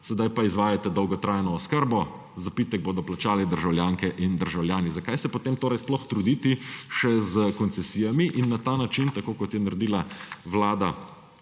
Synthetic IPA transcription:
sɛd̪ajpaizʋaːjat̪ɛd̪ɔwɡɔt̪ɾaːjnɔːskəɾbɔ | zapit̪ɛɡ̚boːd̪ɔplat͡ʃaːlɛd̪əɾʒawljaːŋkɛʔind̪əɾʒawljaːnizakajsɛpot̪eːmt̪oːɾɛjsplɔxt̪ɾud̪iːt̪iʃɛzəkɔnsɛsiːjamiʔinːat̪aːnat͡ʃint̪akoːkɔt̪jɛnaɾɛd̪iːlaʋlaːd̪a

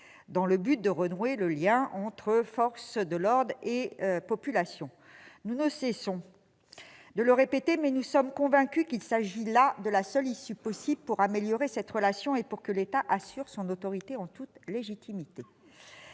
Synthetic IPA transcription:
d̪ɑ̃ləbyt̪̚d̪əʁənweləljɛ̃ɑ̃t̪χəfɔʁsd̪əlɔʁd̪ʁepɔpylasjɔ̃ | nunəsɛsɔ̃ | d̪ələʁepet̪emɛnusɔmkɔ̃vɛ̃kʲykʲilsaʒilad̪əlasœlisypɔsiblpuʁameljɔʁesɛt̪ʁəlasjɔ̃epuʁkəlet̪aʔasyʁsɔ̃not̪ɔʁit̪eɑ̃t̪ut̪leʒit̪ʰimit̪e

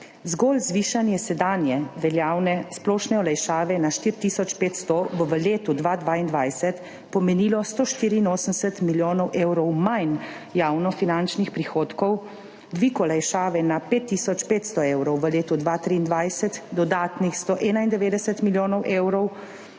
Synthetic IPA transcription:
zɡoːlzʋiːʃanjɛsɛd̪aːnjɛʋɛljaːwnɛsplɔːʃnɛɔlɛjʃaːʋɛnaʃt̪iːɾt̪isɔt͡ʃpeːt̪st̪ɔbɔʋəleːt̪ud̪ʋad̪ʋaːind̪ʋajsɛt̪ | pɔmɛniːlɔst̪oːʃt̪iːɾiːnoːsəmsɛt̪miljoːnɔwʔeːwɾɔwmajn | jaːwnɔfinant͡ʃnixpɾixoːt̪kɔw | d̪ʋiːkɔlɛjʃaːʋɛnapeːt̪ːiːsɔt͡ʃpeːt̪st̪ɔeːwɾɔwʋəleːt̪ud̪ʋat̪ɾiːnd̪ʋajsɛt̪d̪ɔd̪aːt̪nixst̪ɔʔɛːnaind̪ɛʋeːd̪ɛsɛt̪miljoːnɔwʔeːwɾɔw

